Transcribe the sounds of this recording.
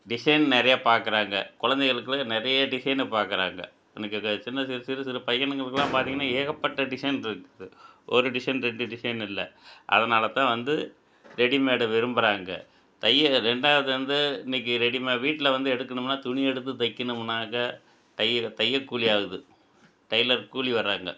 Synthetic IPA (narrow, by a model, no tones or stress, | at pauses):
ɖɪsɐɪnnɪɾɐjaːpaːɾkɯɾaːŋɡɐ̰kʊɻɐnd̪ɛɣɐɭɯkːɯlnɪɾɐjɐɖɪsɐɪnɐpaːɾkɯɾaːŋɡɐ̰ | ɛnɐkːɯt͡ʃɪnːɐsɪlɐsiɾɐsɪlɐpɐjɐnɐŋɡɐɭɯkːɯlːãːpaːɾt̪iːŋɡɐnːaːeːɣɐpːɐʈːɐɖɪsɐɪnɪɾɯkːɐðɯʔɔɾɯɖɪsɐnɾɛɳɖɯɖɪsɐɪnɪlːɐʔɐ̰ðɐnaːlɐt̪ːãːʋɐnd̪ɯ | ɾɛɽimeːɽɐʋʋɪɾɯmbɯɾaːŋɡɐ̰ | t̪ɐjːɐɾɛɳɖaːʋɐðɯʋɐnd̪ɯɪnɐk̬ːɯɾɛɽimeːʋiːʈːɪlɐʋɐnd̪ɯɛɽɯkːɐɳɯmnːaːt̪ʊɳɪɛɽɯt̪ːɯt̪ɐɪkːɐnɯmɯnaːɣɐ | ʈɐjɐt̪ɐjːɐkːuːlɪjaːɣɯðɯ | ʈɐɪlɐɾkuːliʋɐɾaːŋɡɐ